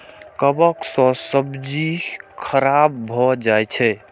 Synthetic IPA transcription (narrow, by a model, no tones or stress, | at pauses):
kəbəksɔ̃səbd͡ʒikʰəɾabːʱɔd͡ʒajt͡ʃʰɛ